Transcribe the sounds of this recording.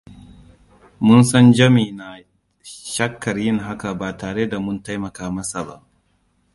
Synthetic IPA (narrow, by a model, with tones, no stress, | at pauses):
mʊ˦nsɐ˦nd͡ʒɐ˦miː˨na˨ | ʃɐ˦kːɐ˨rjɪ˦ŋɦa˦ka˨baː˨taː˨ɽeː˦da˨mʊ˦nta˦jmɐ˨kaː˦mɐ˦sa˨ba̰˦ʔ